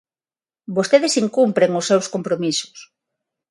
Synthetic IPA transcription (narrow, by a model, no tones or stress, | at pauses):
bost̪eðesiŋkumpɾeŋʊsːewskompɾomisʊ̥s